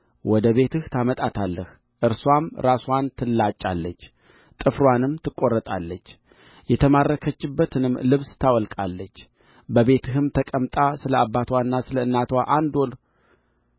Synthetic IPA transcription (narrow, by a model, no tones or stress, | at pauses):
wɔd̪əβe̞t̪ʰɨht̪ʰamət̪ʼat̪ʰalːəh | ʔɨɾswamɾaswant̪ʰɨlːat͡ʃʼːalːət͡ʃː | t̪ʼɨfɾwanɨmt̪ʰɨkʼːo̞rːət̪ʼalːət͡ʃː | jɛt̪ʰəmaɾːəkʰət͡ʃːɨbːət̪ʰɨnɨmlɨβst̪ʰawɔlkʼalːət͡ʃː | bəbe̞t̪ʰɨɦɨmt̪ʰəkʼəmt̪ʼasɨləabːat̪ʰwaɨnːasɨləɨnːat̪waʔand̪ol